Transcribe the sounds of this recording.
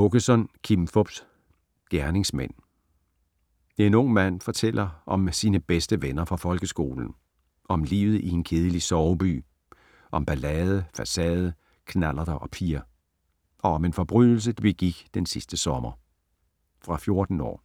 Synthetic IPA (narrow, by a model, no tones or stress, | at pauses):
oɡ̥əsɒ̽nkʰimfɔb̥s | ɡ̥æɐne̝ŋsmen̰ | enɔ̽ŋ̰mæn̰fɒ̽t͡sʰelʔɐʔɒ̽msiːnəb̥esd̥əʋenɐfʁɑ̈fɒ̽lɡ̥əsɡ̥o̝̰ːln̩ | ʔɒ̽mlḭːʊð̩ˠʔie̝nkʰe̝ːð̞ˠəlisɒʊb̥y̰ː | ʔɒ̽mb̥ælɛːð̞ˠəfæsɛːð̞ˠə | kʰnælɐðɐʔɒ̽pʰiɐ | ʔɒ̽ɒ̽me̝nfɒ̽b̥ʁyð̰ˠl̩s̬əd̥ib̥eɡ̥iɡ̥d̥ensisd̥əsɒ̽mɐ | fʁɑ̈fjo̝ɐd̥n̩ɒ̰ː